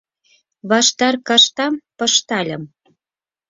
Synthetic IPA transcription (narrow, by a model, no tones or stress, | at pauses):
βɑʃt̪ɑrkɑʃt̪ɑmpɤ̆ʃt̪ɑlʲə̆m